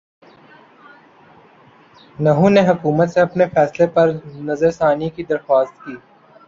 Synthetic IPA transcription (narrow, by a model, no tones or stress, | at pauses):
nɐɦũneɦʊkuːmət̪seɐpnefɛːslepɐɾnɐzəɾsaːnikid̪ɐɾxwaːst̪̚kiː